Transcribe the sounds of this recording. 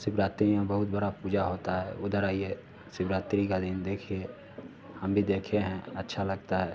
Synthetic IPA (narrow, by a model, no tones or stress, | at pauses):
sɪbɾaːt̪ɾijãbəɦʊt̪bəɽapuːd͡ʒaɦoːt̪aɦɛʊd̪əɾaːie | sɪbɾaːt̪ɾikad̪ɪnd̪eːkʰie | həmbʱid̪eːkʰeɦɛ̃ətːʃʰaləɡt̪aɦɛː